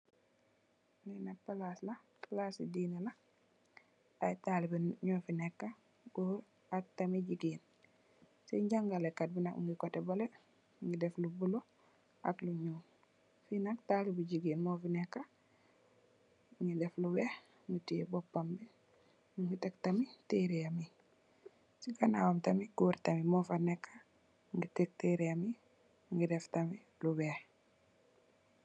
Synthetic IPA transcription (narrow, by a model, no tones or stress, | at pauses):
ninapːalaslapalasidinala | ajtalibiɲɔfinekːa | ɡuɾ | ak̚tamiɟiɡiːn | siɲɟaŋɡalekːat̚binakṵŋɡikotebole | ŋɡideflubulo | ʔa̰kluɲuːn | finaktalibuɟiɡiːnmɔfinekːa | ŋɡideflubeh | ŋɡitijebopːambi | uŋɡitektamiteɾijami | siɡanawamtamiɡuɾtamimofanekːḁ | ŋɡitek̚teɾijami | ŋɡideftami | lubeh